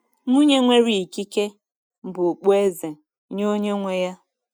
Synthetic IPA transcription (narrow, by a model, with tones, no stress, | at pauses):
nu˦ɲe˦ŋʷe˦ɾi˦i˨ki˦ke˦ | m̩˨bʊ˨k͡po˦e˦ze˨ | ɲo˦ɲe˦ŋʷe˦ja˦